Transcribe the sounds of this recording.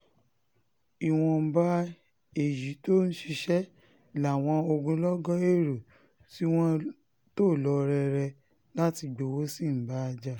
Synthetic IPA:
i˨w̃ɔ̃˧˦ba˦ | e˨ji˨˦to˦ñ̩˦ʃi˧ʃɛ˦˨ | la˨w̃ɔ̃˧o˧ɡũ˧lɔ˦ɡɔ̃˦e˦˨ɾo˨ | ti˦w̃ɔ̃˦ | to˦˨lɔ˨˦ɾɛ˧ɾɛ˧ | la˦ti˧ɡ͡bo˨wo˦si˦˨m̩˨˦ba˦a˧d͡ʒa˦˨

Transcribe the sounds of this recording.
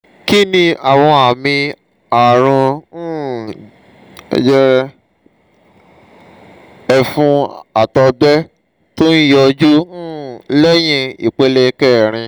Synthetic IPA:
ki˦nĩ˧a˨w̃ɔ̃˧a˨mĩ˧ | a˨ɾ̃ũ˧˦ | ɛ̰˦d͡ʒɛ˦ɾɛ˧ | ɛ˧fũ˧a˨tɔ˧bɛ˦ | to˦ni˦jɔ˧d͡ʒu˦lɛ˦j̃ĩ˧ḭ˨k͡pe˧˦le˦˧kɛ˦˨ɾ̃ĩ˧

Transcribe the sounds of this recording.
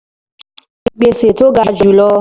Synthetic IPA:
i˦˧ɡ͡be˧se˨to˦ɡa˨˧d͡ʒu˨lɔ˧

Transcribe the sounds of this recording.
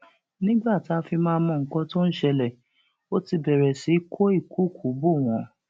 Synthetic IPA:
nĩ˦ɡ͡ba˦˨ta˦˧fi˧mãː˧˦mɔ̃˧ŋ̩˨˦kɔ̃˧to˦n̩˦ʃɛ˧lɛ˦˨ | o˦ti˧bɛ˨ɾɛ˨si˨˦kʰo˦i˦˨kʰu˦˨kʰu˨˦bo˦˨w̃ɔ̃˨˦

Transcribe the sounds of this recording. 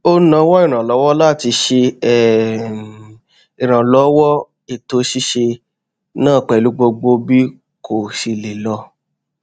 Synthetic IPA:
o˦nã˧˦wɔ˦i˦˨ɾ̃ã˨lɔ˨˦wɔ˦la˦˨ti˧ʃe˧ɛ˦˨ | i˨ɾ̃ã˨lɔ˨˦wɔ˦ | i˦˨to˧˦ʃi˦ʃe˧ | nãː˦˨k͡pɛ˨lu˨˧˦ɡ͡bo˧ɡ͡bo˧bi˦ | ko˨ʃi˧le˨lɔ˧

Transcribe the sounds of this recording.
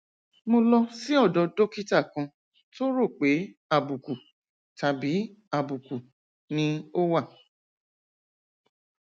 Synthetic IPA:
mo˧lɔ˧si˦ɔ˦˨dɔ˧do˦ki˦ta˦˨kã˧ | to˦ɾo˦˨k͡pe˨˦a˦˨bu˨ku˨ | ta˨bi˨˦ | a˦˨bu˨ku˨ | nĩ˧˦o˦wa˦˨

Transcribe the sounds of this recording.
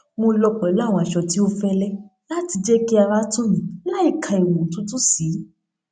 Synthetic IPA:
mo˧lɔ˧k͡pɔ˨˦lw̃ɔ̃˧˨a˨ʃɔ˨ti˦o˦fɛ˦lɛ˦la˦ti˧d͡ʒɛ˦ki˦a˧ɾa˦tũ˦mĩ˨˦la˦i˦˨kʰã˨˧e˨wũ˨tũ˦tũ˦si˨˦

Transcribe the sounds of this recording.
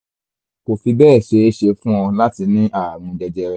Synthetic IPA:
ko˨fi˧bɛː˦˨ʃe˨˧˦ʃe˧fũ˦ɔ̃˧la˦ti˧nĩ˦ʔa˦˨mũ˨˧d͡ʒɛ˧d͡ʒɛ˧ɾɛ˦

